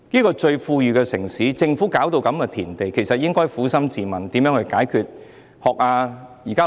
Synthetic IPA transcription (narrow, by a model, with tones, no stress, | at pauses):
niː˥kɔː˧t͡ʃɵ˧ɥfuː˧jyː˨˧kɛː˧sɪ˨˩ŋsiː˨˥t͡sɪ˧ŋfuː˨˥kaː˨˥wt̪o˧wkɐ˨˥mkɛ˧t̪ʰiː˨˩nt̪e˨jkʰe˨˩jsɐ˨t̚jɪ˥ŋkɔː˥jfuː˨˥sɐ˥mt͡siː˨mɐ˨nt̪iː˨˥mjœː˨˥ŋhɵ˧jkaː˨˥jkʰyː˨t̚ | hɔː˨k̚aː˧jiː˨˩kaː˥